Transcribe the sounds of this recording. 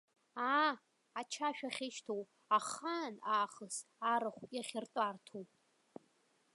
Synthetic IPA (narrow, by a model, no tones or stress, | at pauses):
aː | t͡ʃʰaʃᶣaχʲɪʃtʰow | aχanaːχəsaɾɨχʷpʼjaχʲɪrtʷʼartʰowpʼ